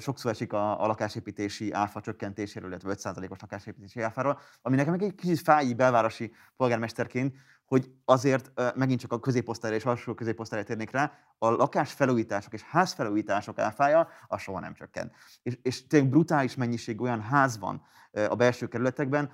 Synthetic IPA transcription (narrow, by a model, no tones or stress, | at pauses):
ʃo̞ksoːɾɛʃikɒ̰ːlɒkaːʃeːpiːt̪eːʃiʔaːfɒt͡ʃøkːɛnt̪eːʃeːɾølilːɛt̪ʋɛøt̪saːzɒleːko̞ʃlɒkaːʃeːpiːt̪eːʃiaːfaːɾoːl | ɒminɛkɛmɛkɛɟkːit͡ʃit̪faːjibɛlvaːɾo̞ʃi | po̞lɡaːrmɛʃt̪ɛrkeːnt̪ | ho̞ɟɒzeːrt̪mɛɡint͡ʃɒ̥kɒkø̞zeːpːo̞st̪aːjɾeːʃɒlʃokøzeːpːo̞st̪aːjat̪ːeːrneːkraː | ɒlʔɒkaːʃfɛluːjiːt̪aːʃo̞keːʃhaːsfɛluːjiːt̪aːʃo̞ka̰ːfaːjɒɒsʃo̞ɦɒnɛ̰mt͡ʃø̰kːɛ̰nt̪ | eʃeːʃt̪eːlːɛɡ̚brut̪aːliʃmɛɲːiʃeːɡio̞jɒnɦaːzvɒ̰n | ɒ̰bɛlʃøːkɛɾylɛt̪ɛɡ̚bɛn